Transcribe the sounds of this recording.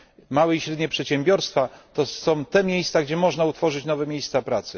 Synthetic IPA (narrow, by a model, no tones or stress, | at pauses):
mawɛiɕɾɛd̪ɲɛpʂɛt̪ɕɛmbʲjɔɾst̪fat̪ɔsɔ̃w̃t̪ɛmʲjejst̪saɡd͡ʑɛmɔʐnaut̪fɔʐɘt͡ɕnɔvɛmʲjejst̪sapɾat̪sɘ